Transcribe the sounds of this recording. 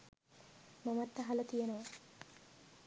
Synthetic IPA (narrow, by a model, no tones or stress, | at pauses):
mamat̪ːaɦalət̪ijenoʋa